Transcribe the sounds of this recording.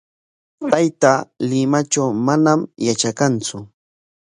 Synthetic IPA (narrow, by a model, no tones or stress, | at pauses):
t̪ajt̪alɪmat͡ʃawmanamjat͡ʃakant͡sʊ